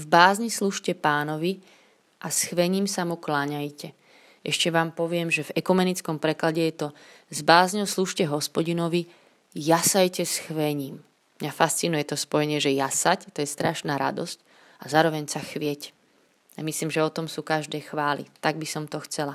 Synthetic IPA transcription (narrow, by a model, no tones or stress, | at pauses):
vbaːzɲisluʃcɛpaːnɔʋi | ʔasxʋɛɲiːmsamuklaɲajcɛ | ʔɛʃcɛʋaːmpɔʋɪɛmʒɛvɛkumɛnit͡skɔmpɾɛklaɟɛjɛt̪ɔ | zbaːzɲɔʊsluʃcɛɦɔspɔɟinɔʋi | jasajcɛsxʋɛɲiːmː | ɲafast͡sinujɛt̪ɔspɔjɛɲɪɛʒɛjasact̪ɔjɛst̪ɾaʃnaːɾa̰d̪ɔsc | azaːɾɔʋɛɲsaxʋɪɛc | amisliːmʒɛɔt̪ɔmsuːkaʒd̪ɛːxʋaːlḭt̪aɡ̚bisɔmt̪ɔxt͡sɛla